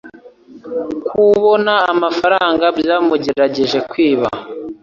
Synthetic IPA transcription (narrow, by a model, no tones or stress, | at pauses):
kuβo̞naːmafaɾaːŋɡabjaːmuɟe̞ɾaɟe̞ʒe̞kwiːβa̰